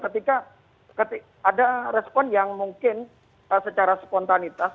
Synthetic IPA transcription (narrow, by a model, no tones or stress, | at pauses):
kət̪ika | kət̪i | adaɾɛspɔnjaŋmuŋkɪn | əsət͡ʃaɾaspɔnt̪anit̪as